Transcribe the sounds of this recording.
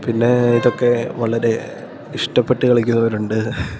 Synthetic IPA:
pinːe̞iðo̞kːe̞ʋɐɭɐɾe̞ | iʂʈɐpːeʈːɨkɐɭikʲːunːɐʋɐɾuɳɖɨ

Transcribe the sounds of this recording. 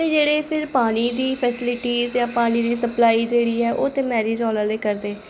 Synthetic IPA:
teːd͡ʒeːɽeːpʰɪɾpaːɽ̃iːd̪iːpʰɛsɪlɪʈiːzjãːpaːɽiːd̪iːsəplaːiːd͡ʒeːɽiːɛːʔoːt̪eːmɛːɾeːd͡ʒɔːlaːleːkəɾd̪eː

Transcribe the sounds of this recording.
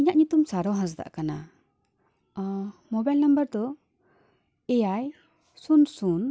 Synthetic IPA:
iɲaʔɲut̪umsaɾɔɦãs̬d̪a̰ʔkana | mɔbajlnambəɾd̪ɔ | ɛjaj | sunsun

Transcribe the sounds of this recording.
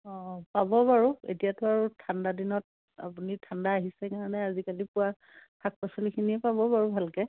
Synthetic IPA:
ɔpabɔbaɹuḛtijatʊaɹutʰandadinɔt̚ | a̰punitʰandaːɦisɛkaɹɔnɛazikalipʊwa | pʰak̚pɔsɔlikʰiniɛpabɔbaɹubʱalkɛ

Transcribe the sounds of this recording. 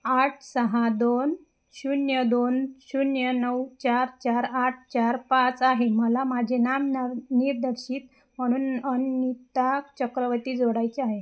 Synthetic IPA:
aʈʰsəɦad̪on | ɕunjəd̪onɕunjənəwt͡ɕaɾt͡ɕaɾaʈʰt͡ɕaɾpat͡saɦeməlamad͡ʑʱenamniɾd̪əɾɕiːt̪ | m̤əɽ̃uːnənit̪at͡ɕəkɾəʋət̪iːd͡zoɽajt͡ɕeaɦe

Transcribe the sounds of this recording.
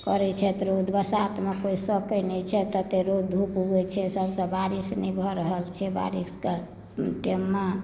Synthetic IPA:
kəɾɛt͡ʃʰɛt̪ɾod̪ʱbəsat̪mekoisəkənɛt͡ʃʰɛt̪ət̪eɾod̪̚d̪ʱupuɡɛt͡ʃʰɛsəbsə̃baɾisnɛbʱɔɾəɦəlt͡ʃʰɛba̰ɾiske | ʈemːa

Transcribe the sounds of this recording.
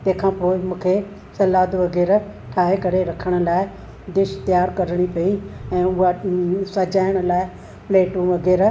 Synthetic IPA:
t̪ɐ̃ɦkʰãːpoːɪmũːkʰe | sɐlaːd̪ʋɐɡɛːɾʈʰaːɦekɐɾeɾɐkʰəɽ̃ə̆laːɪ | d̪eːʃt̪jaːɾkɐɾəɽ̃ipɐiɛ̃ːʊɦasɐd͡ʑaːɪəɽ̃ə̆laːɪ | pleːʈuːʋɐɡɛːɾ

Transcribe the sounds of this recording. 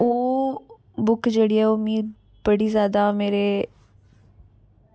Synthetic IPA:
oː | bʊkd͡ʒeːɽiːɛːoːmĩː | b̥əɽiːzjaːd̪aːmeːɾeː

